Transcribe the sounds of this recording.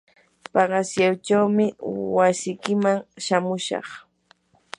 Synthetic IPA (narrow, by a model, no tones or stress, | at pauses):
pɑɢɑsjawt͡ʃawmɪwasɪjkɪmaŋʃamʊʃɑ̰χ